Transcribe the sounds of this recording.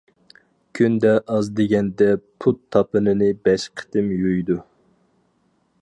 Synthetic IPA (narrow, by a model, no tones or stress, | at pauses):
kʲʰynd̪ɛʔɑzd̪eɡʲɛnd̪ɛpʰut̪ʰːɑpɨnɨnɨbɛʃqʰə̥t̪ɪmjyjd̪u